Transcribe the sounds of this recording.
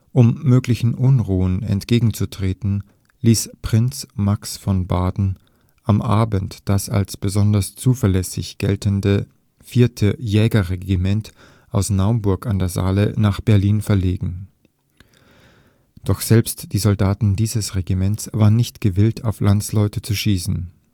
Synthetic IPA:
ʔʊmːøːklɪçn̩ʔʊnʁuːənɛ̰ntɡ̥eːɡŋ̩t͡sutʁ̥eːtn̩ | liːspʁ̥ɪnt͡smaksfɔnbaːdn̩ | ʔamʔaːbən̩td̥asa̰lsb̥əzɔndɐst͡suːfɐlɛsɪ̰çɡ̥ɛ̰ltəndə | fiːɐtʰəjɛːɡɐʁeɡimɛnt | ʔaʊsnaʊənbʊɐkandeːɐza̰ːlənaːχb̥ɛɐliːnfɛɐleːɡŋ̩ | d̥ɔχz̥ɛlpstd̥iːzɔldaːtn̩diːzəsʁeɡimɛntsv̥aːʁənːɪçtɡ̥əvɪltʰaʊflʔant͡slɔʏtət͡suʃiːsn̩

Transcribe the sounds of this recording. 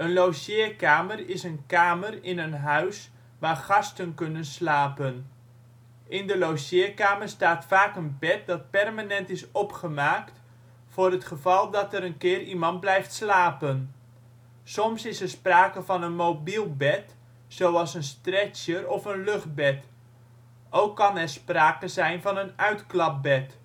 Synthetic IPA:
ənlowsɪːkaːmərɪsənkaːmərɪnənɦœɥs | ʋaːrχɑstənkɵnənslaːpən | ʔɪndəlowsɪːkaːmərstaːtfaːkənbɛt̚dɑt̚pɛrmanɛntɪsɔpχəmaːkt | fʊːrətχəvɑlˠdɑtəɾənkɪːrimɑnt̚blɛjftslaːpən | sɔmsɪsɛrspraːkəvɑnənmobilˠbɛt | sowɑlˠsənstrɛt͡ʃjərɔfənløχt̚bɛt | ʔowkːɑnɛrspraːkəzɛjnvɑnənœɥtklɑp̚bɛt

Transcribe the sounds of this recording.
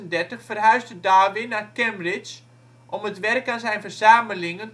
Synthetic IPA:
əndɛrtəχfərɦœɥsdədaːʋɪnakɛmbrɪt͡ʃ | ʔɔmətʋɛrkanzɛjnfərzaːməlɪŋən

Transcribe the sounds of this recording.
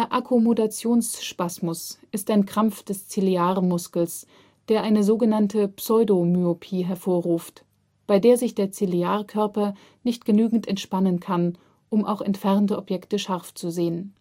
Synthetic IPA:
d̥eːɐʔakʰomodat͡sjoːnsʃpasmʊsʔɪstaɪnkʁ̥amp͡ffd̥ɛst͡siliaːʁmʊskl̩s | d̥eːɐʔaɪnəzoːɡənantʰəpsɔʏdomyopʰiːɦɛɐfoːɐʁuːft | b̥aɪdeːɐzɪçd̥eːɐt͡siliaːʁkʰœɐpɐ | nɪçt̚ɡ̥ənyːɡŋ̩tʰɛntʃpanənkʰan | ʔʊmʔa̰ʊxɛ̰ntfɛʁntəʔɔpjɛktəʃaʁft͡suzeːən

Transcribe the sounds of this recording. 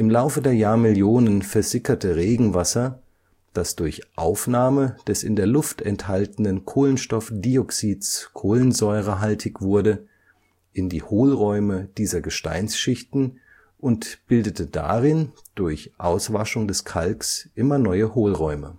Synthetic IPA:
ʔɪmlaʊfədeːɐjaːɐmɪljoːnənfɛɐzɪkɐtəʁeːɡŋ̩vasɐ | d̥asd̥ʊɐçʔaʊfnaːməd̥ɛsɪ̰ndeːɐlʊftɛnthaltən̩ənkʰoːlənʃtɔfd̥iɔksiːtskʰoːlənzɔʏʁəɦaltʰɪçv̥ʊɐdə | ʔɪndiːhoːlʁɔʏməd̥iːzɐɡəʃta̰ɪnsʃɪçtn̩ | ʔʊntb̥ɪldətəda̰ʁɪn | d̥ʊɐçʔaʊsv̥aʃʊŋdɛskʰalksʔɪmɐnɔʏəhoːlʁɔʏmə

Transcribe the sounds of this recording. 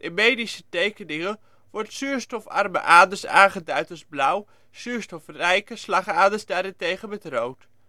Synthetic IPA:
ʔɪnmejdisətejkənɪŋə | ʋɔrtsyːɹstɔfɑ̰rmə̰ʔaːdəsaːχədœɥtəlsblaw | syːɹstɔfrɛjkəslɑχaːdəsdaːɾɪntejχənmɛtrowt

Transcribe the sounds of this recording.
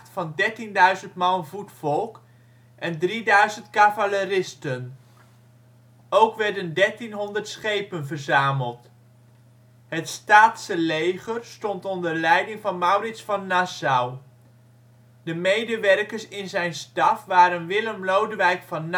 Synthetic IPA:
tfɑndɛɹtindœɥzəntmɑnvutfɔlˠk | ʔɛndridœɥzəntkavalərɪstən | owkʋɛɹdəndɛɹtinɦɔndəɹtsχejpənvəɹzaːməlˠt | ɦətstaːtsəlejχəɹstɔntɔndəɹlɛjdɪŋvɑnmɑwrɪtsfɑnːasaw | dəmejdəʋɛrkəɹsɪnzɛjnstɑfʋaːɾənʋɪləmlowdəʋɛjkfɑnː

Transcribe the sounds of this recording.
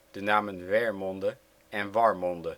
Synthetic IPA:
d̥ənaːmənvɛɹmɔndə | ɛnvɑɹmɔndə

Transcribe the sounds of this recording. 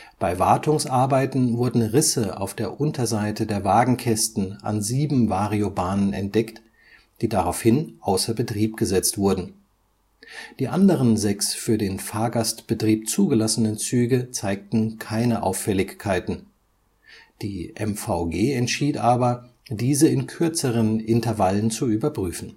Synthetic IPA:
b̥aɪvaɐtʰʊŋsʔaɐbaɪtn̩vʊɐdn̩ʁɪsəa̰ʊfd̥eːɐʔʊntʰɐzaɪtədeːɐvaːɡŋ̩kʰɛstn̩ʔa̰nziːbm̩vaːʁiobaːnənɛ̰nt̚d̥ɛkt | d̥iːdaʁaʊfhɪnʔaʊsɐbətʁ̥iːp̚ɡ̥əzɛt͡stv̥ʊɐdn̩ | d̥iːʔandəʁ̞ənzɛksfyːɐdeːnfaːɐɡastb̥ətʁ̥iːp̚t͡suːɡəlasənənt͡syːɡət͡saɪk̚tn̩kʰaɪnəʔa̰ʊfɛlɪçkʰːaɪtn̩ | d̥iːʔɛ̰mfaʊɡeːɛntʃiːtʔaːbɐdiːzəɪnkʰʏɐt͡səʁ̞ənʔɪntɐvalənt͡suyːbɐpʁ̥yːfn̩

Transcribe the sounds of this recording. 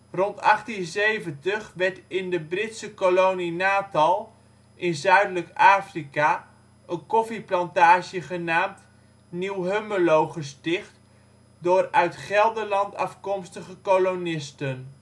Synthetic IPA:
rɔntɑχtinzejvəntəχʋɛɹtɪndəbrɪtsəkolowninaːtɑlˠ | ʔɪnzœɥdələkaːfrika | ʔənkɔfiplɑntaːʒjəχənaːmt | niwɦøməlowχəstɪχt | dʊːrœɥtχɛlˠdəlɑntɑfkɔmstəχəkolonɪstən

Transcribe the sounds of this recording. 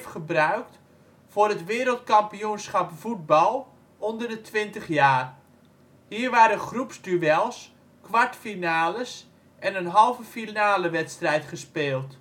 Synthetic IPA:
fχəbrœɥkt | fʊːɾətʋɪːɾəlˠtkɑmpijunsχɑpfud̚bɑlˠ | ɔndərdətʰʋɪntəχjaːr | hiːrʋaːɾəχrupsdyʋɛlˠs | kʋaɹtfinaːləs | ʔɛnənɦɑlˠvəfinaːləʋɛtstrɛjtχəspeːlˠt

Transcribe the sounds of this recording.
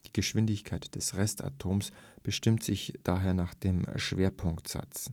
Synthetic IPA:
d̥iːɡəʃv̥ɪndɪçkʰaɪtd̥ɛsʁɛsta̰tʰoːmsb̥əʃtɪmtz̥ɪçd̥aːɦeːɐnaːχd̥eːmʃv̥eːɐpʰʊŋktz̥a̰t͡s

